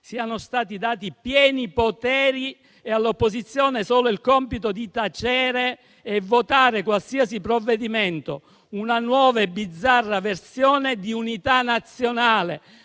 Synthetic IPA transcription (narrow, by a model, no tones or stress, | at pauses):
siːanost̪aːt̪̬id̪aːt̪ipjɛːnipot̪ɛːɾi | ealːopːozit̪sːjoːnesoːloilkɔmpit̪od̪it̪at͡ʃɛːɾeː | vːot̪aːɾekwalsiːasipɾovːed̪iment̪o̰ | unanwɔːvaebːid̪zːarːaversjɔːned̪iunit̪anːat̪sːjonaːlḛ